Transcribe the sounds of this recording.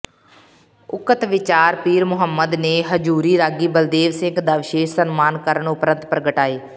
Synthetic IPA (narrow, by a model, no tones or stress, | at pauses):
ʊkət̪ʋɪt͡ʃaːɾpiːɾmʊɦəmːəd̪neːɦəd͡ʒuːɾiːɾaːɡiːbəld̪eːʋsɪŋɡd̪aːʋɪʃeːʃsənmaːnkəɾəɳʊpɾə̃nt̪pɾəɡəʈaːeː